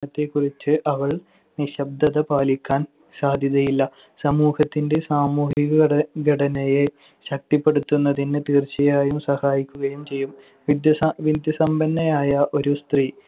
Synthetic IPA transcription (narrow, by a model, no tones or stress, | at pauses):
ɐt̪ːe̞kːurit͡ɕːɨʔɐʋɐɭ | niɕɐb̚d̪ɐðɐpaːlikʲːaːn | saːd̪ʱjɐðɐjilːɐ | sɐmuːhɐt̪ːinde̞saːmuːhiɣɐɡɐɽɐnɐje | ɕɐk̚t̪ipːe̞ɽut̪ːunːɐðinɨt̪iːrt͡ɕɐjaːjumsɐhaːjikʲːuɣɐjumt͡ɕe̞jːum | ʋid̪jɐʋid̪jɐsɐmbɐnːɐjaːjɐʔo̞ɾust̪riː